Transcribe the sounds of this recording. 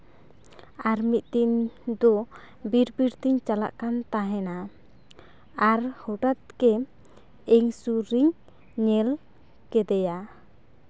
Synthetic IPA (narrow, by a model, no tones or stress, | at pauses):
aɾmit̪̚t̪iɲd̪ɔ | biɾbiɾt̪iɲt͡ʃala̰ʔkant̪aɦɛna | aɾhɔʈat̪̚kɛ | ɛŋsuɾiɲ | ɲɛl | kɛd̪ɛja